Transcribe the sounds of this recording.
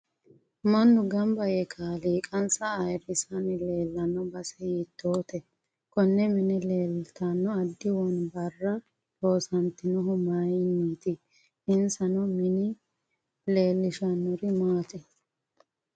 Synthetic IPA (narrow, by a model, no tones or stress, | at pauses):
mɐnːʊɡɐmbɐjɛkʰaliːkʼɐnsɐːjɾɪsɐnɪle̞ːlːɐnːɔbɐsɛjiːt̪ːoːt̪ɛ | kɔnːɛmɪnɪleːlt̪ɐnːɔɐd̪ːɪwɔnbɐrːɐ | t̪o̞ːsɐnt̪ɪnɔɦʊmajniːt̪ɪ | ɪnsɐnɔmɪnɪ | leːlːɪʃɐnːʊɾɪmaːt̪ʼɛ